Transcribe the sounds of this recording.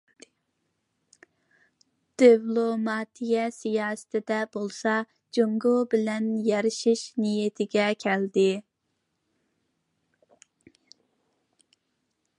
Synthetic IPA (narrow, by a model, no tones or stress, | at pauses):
d̪̥ivlˠomɑːt̪ʰijɛsijɑːsɨ̥t̪ʰɪd̪ɛbolˠsɑ | d͡ʒoŋɡobɪlɛnjɛɾɪʃiʃnijet̪ʰɪɡʲɛkʲʰɛld̪ɪ